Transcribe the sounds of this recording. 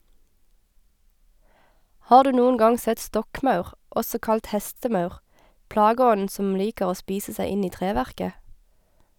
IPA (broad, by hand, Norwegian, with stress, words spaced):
ˈhɑːʁ ˈdʉː ˈnuːʊn ˈɡɑŋ ˈsɛt ˈstɔkˌmɑʉʁ ˈʔɔsɔ ˈkɑlt ˈhɛstəˌmɑʉʁ ˈplɑːɡəˌɔnn̩ ˈsɔm ˈliːkəʁ ˈoː ˈspiːsə ˈsæɪ ˈɪn ˈiː ˈtʁeːˌʋæʁkə